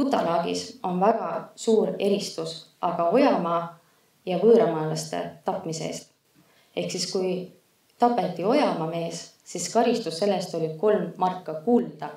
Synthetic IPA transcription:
put̪ːˑɑlɑːɡ̥ḭso̞nvæɡ̥ɑsuːɾe̞ɾist̪usʔɑɡ̥ɑo̞jɑmɑː | jɑvɤːɾɑmɑːlɑst̪e̞̰t̪ɑpːˑmiseḛːst̪ | e̞hksiskuj | t̪ɑpːˑe̞t̪ːˑio̞jɑmɑme̞ːs | siskɑɾist̪usːe̞lːest̪o̞lʲiko̞lmːɑrkːˑɑkuːld̪̥ɑ

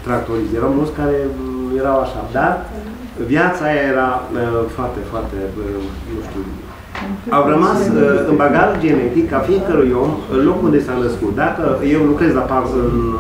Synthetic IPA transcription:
t̪ɾak̚t̪oɾisjeɾawmult̪skaɾe̞je̞ɾawaʃad̪ar | vjat̪sajae̞ɾafoart̪e̞foart̪e | nuʃt̪ṵ | awrəmasɨnbaɡaɾd͡ʒe̞ne̞t̪ikːafiekəɾujo̞mɨnlo̞kund̪e̞sanəskut̪̚d̪akəje̞wlukɾe̞zaparɨn

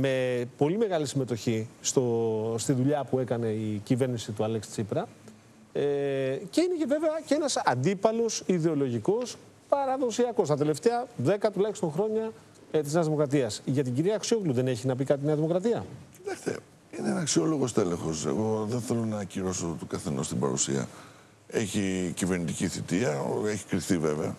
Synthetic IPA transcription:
me̞po̞lime̞ɣɐlisime̞t̪o̞çist̪o̞st̪iðuʎɐpue̞kɐne̞icive̞ɾnisit̪uɐlekst͡sipɾɐ | ece̞ine̞ceve̞veɐceenɐsɐnd̪ipɐlo̞siðe̞o̞lo̞ʝiko̞s | pɐɾɐðo̞siɐko̞st̪ɐt̪e̞le̞ft̪eɐðe̞kɐt̪ulɐçist̪o̞ŋxɾo̞ɲɐ | t̪izneɐzðimo̞kɾɐt̪̬iɐsʝɐt̪̬iɟiɾiɐksioɣluðe̞ne̞çinɐp̬ikɐt̪ineɐðimo̞kɾɐt̪iɐci̥t̪ɐkst̪e̞̰ | ineenɐksio̞lo̞ɣost̪elẽ̞xo̞se̞̰ɣo̞ðenθe̞lo̞nɐciɾo̞sot̪okɐθe̞nost̪ibɐ̰ɾṵsḭɐ̰ | e̞çiciveɾnit̪iciθit̪iɐeçi̥kɾiθive̞veɐ̰

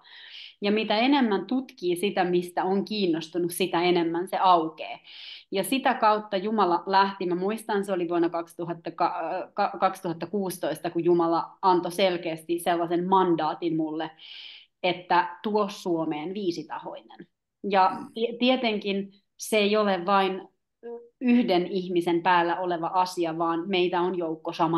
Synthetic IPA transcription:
jɑmit̪æenemːænt̪ut̪kiːsit̪æmist̪æoŋkiːnːost̪unussit̪æenemːænseɑukeːjɑsit̪ækɑut̪ːɑjumɑlɑlæht̪imæmuist̪ɑnseoliʋuonɑkɑkst̪uhɑt̪ːɑkɑkɑkɑkst̪uhɑt̪ːɑkuːst̪oist̪ɑkujumɑlɑɑnt̪oselkeːst̪iselːɑsemmɑndɑːt̪inmulːe | et̪ːæt̪uossuomeːnʋiːsit̪ɑho̰inen | jɑt̪t̪iet̪eŋkin | seeioleʋʋɑin | yhdenihmisempæːlːæʔoleʋɑʔɑsiɑʋɑːnmeit̪æonjoukːosɑmɑ

